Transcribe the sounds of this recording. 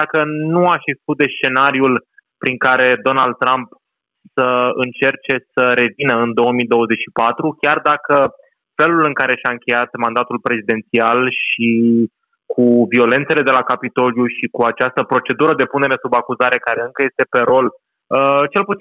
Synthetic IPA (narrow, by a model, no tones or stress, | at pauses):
d̪akənuaʃeɡzi̥sk̪ut̪̚d̪e̞st͡ʃe̞naɾiul | pɾiŋkaɾe̞d̪o̞nald̪̚t̪ːɾamp | səɨnt͡ʃe̞rt͡ʃe̞səɾe̞vinəɨnd̪o̞əmid̪o̞wəze̞t͡ʃʲʃipat̪ɾukʲjard̪akə | fe̞lulɨŋkaɾe̞ʃaɨŋkʲe̞jat̪mand̪at̪ulpɾe̞zid̪e̞nt̪sialʃi | kʰuvio̞le̞nt̪se̞le̞d̪e̞lakapit̪o̞ljuʃikuat͡ʃast̪əpɾo̞t͡ʃe̞d̪uɾəd̪e̞pune̞ɾe̞subakuzaɾe̞kaɾe̞ɨŋkəjest̪e̞pe̞ɾo̞l | ət͡ʃe̞lput̪i